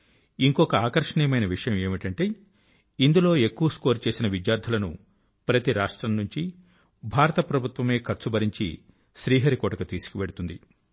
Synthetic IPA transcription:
iŋkɔkɐaːkɐɾʂɐɳijɐmɐjnɐʋiʂɐjɐme̞ːmiʈɐɳʈe̞ː | ind̪ulo̞ːe̞kːuʋɐskoːɾt͡ʃe̞ːsinɐʋid̪jaːɾd̪ʱɐlɐnṵ | pɾɐt̪iɾaːʂʈɾɐmnuɲt͡ʃi | bʱaːɾɐt̪ɐpɾɐbʱut̪ʋɐme̞ːkʰɐɾt͡ʃubɐɾiɲt͡ʃḭ | ʃɾiːɦɐɾikɔːʈɐkɐt̪iːsu̥kiʋeɽut̪und̪i

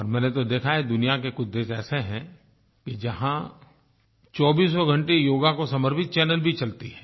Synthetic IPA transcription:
ɔːɾmɛ̃ːnet̪od̪eːkʰaɦɛd̪ʊnijakekʊd̪ːeːsɛːseɦɛ̃ | kid͡ʒɐɦã | t͡ʃɔːbiːsɔɡʱɐ̃ɳʈejoːɡakosɐməɾpɪt̪̚t͡ʃɛːnəlbʱit͡ʃɐlt̪iɦɛ̃ː

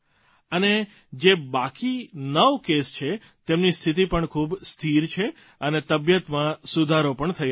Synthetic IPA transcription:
əne | d͡ʒebakinəʋkest͡ʃʰe | t̪emnist̪ʰit̪ipəɳkʰubst̪ʰiɾt͡ʃʰe | ənet̪əbjət̪mãsud̪ʱaɾopəɳt̪ʰəj

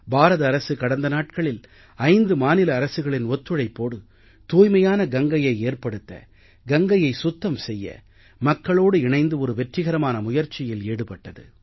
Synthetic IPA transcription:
baːɾɐðɐːɾɐsɯkɐɽɐnd̪ɐnaːʈ̚kɐɭɪl | ɐɪnd̪ɯmaːnɪlɐːɾɐsɯɣɐɭɪnɔt̪ːɯɻɐɪpːoːɽɯ | t̪uːjmɐjaːnɐɡɐŋɡɐjɐɪeːrpɐɽɯt̪ːɐ̰ | ɡɐŋɡɐjɐɪsʊt̪ːɐmsɛjːɐ̰ | mɐkːɐɭoːɽɯɪɳɐɪnd̪ɯɔɾɯʋɛʈrɪɣɐɾɐmaːnɐmʊjɐɾt͡ʃɪjɪleːɽɯpɐʈːɐðɯ̰

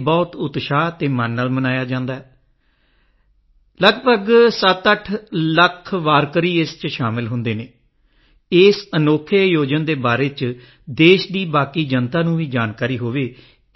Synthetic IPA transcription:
bɔːt̪ʊt̪ʃaːt̪eːmənːəlmənaːjaːd͡ʒãːnd̪aːɦɛː | ləɡbəɡsət̪əʈʰləkʰʋaːɾkəɾiːɪst͡ʃʃaːmɪlɦʊ̃nd̪eːneː | ɪːsənoːkʰejoːd͡ʒənd̪eːbaːɾeːt͡ʃ | d̪eːʃd̪iːbaːkiːd͡ʒənt̪aːnũːʋiːd͡ʒaːnkaːɾiːɦoːʋeː

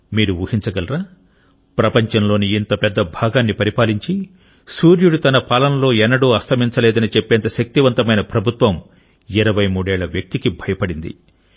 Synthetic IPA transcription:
miːɾuʋuːhiɲt͡ʃɐɡɐlɾaː | pɾɐpɐɲt͡ʃɐnlo̞ːniːnt̪ɐpɛd̪ːɐbʱaːɡaːnːipɐɾipaːliɲt͡ʃi | suːɾjuɽut̪ɐnɐpaːlɐnɐlo̞ːɛnːɐɽuːɐst̪ʰɐmiɲt͡ʃɐlɛːd̪ɐnit͡ʃepːɛːnt̪ɐʃɐk̚t̪iʋɐnt̪ɐmɐjnɐpɾɐbʱut̪ʋɐm | iɾɐʋɐjmuːɽɛːɭɐʋjɐk̚t̪ikibʱɐjɐpɐɽind̪ḭ

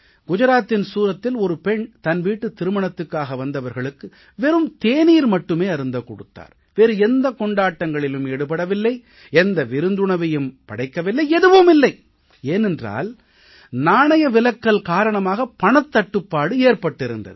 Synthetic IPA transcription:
ɡ̥ʊd͡ʒɐɾaːt̪ːɪnsuːɾɐt̪ːɪlɔɾɯpɛɳt̪ɐnʋiːʈːɯt̪ːɪɾɯmɐɳɐt̪ːɯkːaːɣɐʋɐnd̪ɐʋɐɾɣɐɭɯkːɯ | ʋɛɾɯmt̪eːniːɾmɐʈːɯmeːɐɾɯnd̪ɐkːɔɽɯ̰t̪ːa̰ːɾ | ʋeɾɯɛnd̪ɐkɔɳɖaːʈːɐŋɡɐɭɪlɯmɛɽɯpɐɽɐʋɪlːɐɪ | ɛnd̪ɐʋɪɾɯnd̪ɯɳɐʋɐjɯmpɐɽɐɪkːɐʋɪlːɐɪɛðɯʋɯmɪlːɐɪ | eːnɛndra̰ːl | naːɳɐjɐʋɪlɐkːɐɭkaːɾɐɳɐmaːɣɐpɐɳɐt̪ːɐʈːɯpːaːɽɯeːɾpɐʈːɪɾɯ̰nd̪ɐ̰ðɯ

